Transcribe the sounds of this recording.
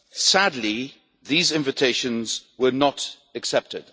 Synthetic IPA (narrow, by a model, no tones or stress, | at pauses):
sadˡli | ðizɪ̃ɱvɨtʰeɪʃə̃nzwə˞nət | əksɛp̚tɪ̰d̥